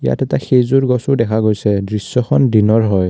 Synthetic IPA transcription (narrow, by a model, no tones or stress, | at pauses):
ja̰tɛtaxejzuɹɡɔsʊdɛkʰaɡojsɛdɹisːɔxʰɔndinɔɹɦɔj